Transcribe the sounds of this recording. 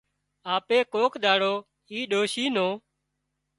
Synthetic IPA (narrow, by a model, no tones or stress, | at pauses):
aːpeːkoːkɗ̪aːɽoː | iːɗoːʃiːnoː